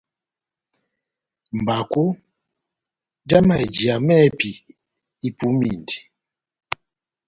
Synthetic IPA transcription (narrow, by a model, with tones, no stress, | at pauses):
m̩˨ba˨ko˦ | da˦ma˨d͡ʒi˨a˨mɛ˦˨pi˨ | i˦pu˨˦mi˨ndi˨